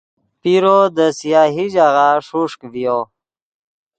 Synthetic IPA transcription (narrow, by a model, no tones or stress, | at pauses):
piɾod̪əsijaːɦid͡ʑaɣaʂuʂkvijo